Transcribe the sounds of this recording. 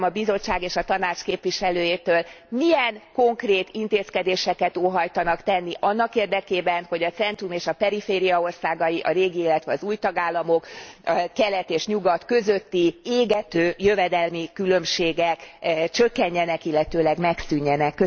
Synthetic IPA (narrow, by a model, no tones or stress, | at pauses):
mɒbizo̞t͡ʃːaːɡeːʃɒt̪ɒnaːt͡ʃkeːpʋiʃɛløːjeːt̪øːl | miɛnko̞ŋkreːt̪int̪eːskɛd̪eːʃɛkɛt̪oːɦɒjt̪ɒnɒkt̪ɛnːiʔɒnːɒkeːrd̪ɛkeːbɛnho̞ɟɒt̪sɛnt̪rumeːʃɒpɛɾifeːɾijɒo̞rsaːɡɒjiʔɒ̰ɾeːɡielːɛt̪ʋɛɒzuːjt̪ɒɡaːlːɒmo̞kkɛlɛt̪eːʃɲuɡɒt̪kø̞zø̞t̪ːieːɡɛt̪øːjøvɛd̪ɛlmikylø̞mʃeːɡɛkt͡ʃø̞kːɛɲːɛnɛkilːɛt̪øːlɛɡmɛksyɲːɛnɛkːø